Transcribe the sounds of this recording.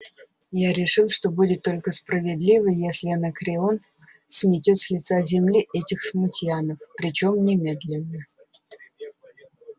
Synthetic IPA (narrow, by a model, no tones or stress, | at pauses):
jaɾʲɪʂɨlˠʂt̪o̞budʲɪt̪ːo̞lʲkəspɾəvʲɪd̪lʲivəjesʲlʲɪənəkɾʲɪon | sʲmʲɪtʲot̪sʲlʲɪt̪sazʲɪmlʲiʔɛtʲɪxsmʊtʲɪanəfpɾʲɪt͡ɕo̞mnʲɪmʲed̪lʲɪnːə